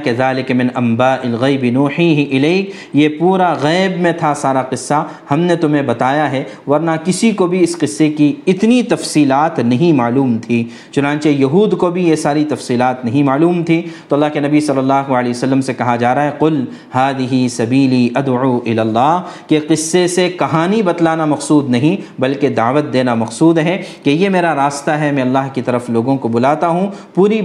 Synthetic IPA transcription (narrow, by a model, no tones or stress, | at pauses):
kɐzaːlɪkmɪ̃nɐmbaːʔɪlɣɐɪbɪnuːħiːɦɪʔɪleːkʰ | jepuːɾaɣɛːbmẽt̪ʰasaːɾaqɪsːa | hɐmnet̪ʊmɦẽbɐt̪aːjaɦɛʋɐɾnakɪsikobʱiɪsqɪsːekiɪt̪nit̪ɐfsiːlaːt̪nɐɦĩmaːluːmt̪ʰiː | t͡ʃʊnãːt͡ʃejɐɦuːd̪kobʱijesaːɾit̪ɐfsiːlaːt̪nɐɦĩmaːluːmt̪ʰit̪oɐlːaːɦkenɐbisɐlːəlːaːɦualeːsɐlːəmsekɐɦad͡ʒaːɾaɦɛqʊl | haːd̪ɪɦisɐbiːliːʔɐd̪uːʔɪlaːlːaːɦkeqɪsːesekɐɦaːnibɐt̪laːnamɐqsuːd̪nɐɦĩbɐlked̪aːʋət̪̚d̪eːnamɐqsuːd̪ɦɛkejemeːɾaɾaːst̪aɦɛmɛ̃ɐlːaɦkit̪ɐɾəfloːɡõkobʊlaːt̪aɦũpuːɾi